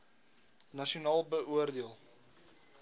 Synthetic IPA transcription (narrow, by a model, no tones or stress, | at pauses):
nɐʃiunɑːlˠbəʔuərdiəlˠ